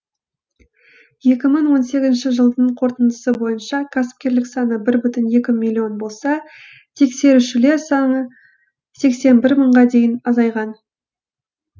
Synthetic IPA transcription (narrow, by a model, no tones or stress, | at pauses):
je̞kʲɪməɴwo̞nse̞ɡʲɪzɪnʃɪʒəlˠd̪əɴqʰo̞ɾt̪ənd̪əsəbo̞jənʃɑkʰɑsɪ̥p̚kʲe̞ɾlɪksɑnəbɪɾbʏt̪ɪnje̞kʲɪmilʲˠːio̞nbo̞lˠsɑ | t̪ʰe̞kse̞ɾuʃɪle̞ɾsɑɴə | se̞kse̞nbɪɾməɴʁɑd̪e̞jɪnɑzɑjʁɑn